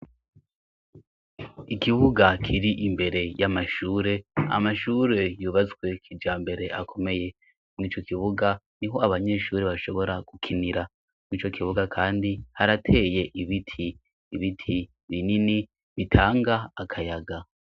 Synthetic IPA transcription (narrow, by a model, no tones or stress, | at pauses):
ikiβuɡakʰiɾiʔimbe̞ɾe̞jamaʃuːɾe̞a̰maʃuɾe̞juːβazɡwe̞kʰid͡ʒaːmbe̞ɾe̞ʔakʰo̞me̞je̞ | mŋiːt͡ʃo̞kiβuɡa | niɦo̞aβaɲe̞ːʃuːɾeβaʃo̞βo̞ɾaɡ̥ukʰiniɾa | mŋiːt͡ʃo̞kʰiβuɡakʰaːndihaɾatʰe̞ːje̞ʔiβitʰiː | βitʰi | βinini | βitʰaːŋɡaːkʰajaɡa